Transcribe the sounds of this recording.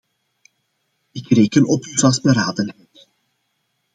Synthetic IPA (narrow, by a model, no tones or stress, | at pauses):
ɪkreːkənɔpywzɛlˠzbəɾaːdənɦɛjt